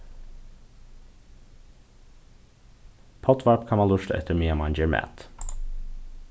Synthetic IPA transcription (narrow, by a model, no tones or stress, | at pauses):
pʰɔt̪ʰʋɑɹpkʰɑnɑːlʉʃt̪ɛ̰t̪ʰəɾmiːəmɑɪnd͡ʒəɹmæ̰ːt̪